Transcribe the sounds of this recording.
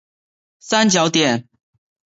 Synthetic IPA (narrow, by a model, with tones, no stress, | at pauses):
sa˦nt͡ɕjɑ˧˦ʊt̪jɛ˨˩n